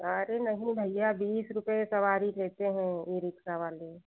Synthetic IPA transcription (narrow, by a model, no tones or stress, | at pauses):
əɾenɐɦĩbʱɐɪjabiːsɾʊpəesɐʋaːɾileːt̪eɦɛ̃iːɾɪksaʋaːle